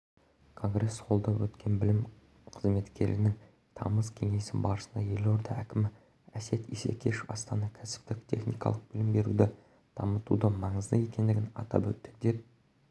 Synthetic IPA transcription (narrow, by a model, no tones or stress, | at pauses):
kʰo̞ŋɡɾe̞sqʰo̞lˠd̪ɑpwɵt̪kʲe̞nbɪlɪm | qʰəzme̞t̪kʲʰe̞ɾɪnɪŋ | t̪ʰɑ̰məzkʲʰe̞ŋe̞sɪnbɑɾsənd̪ɑje̞lo̞ɾd̪ɑækʲɪmɪ | æse̞t̪ḭse̞̰kʲʰe̞ʃɑ̰st̪ɑnɑkʲʰæsɪ̥p̚t̪ɪk̚t̪ʲʰe̞̰χnijkɑ̰lˠəq̚b̥ɪlɪmbe̞ɾṵd̪ɪ | d̪̥ɑmət̪ud̪əmɑɴəzd̪əje̞kʲe̞nd̪ɪɡʲɪnɑ̰t̪ɑ̰pwɵt̪ːɪ̥k̚d̪e̞p̚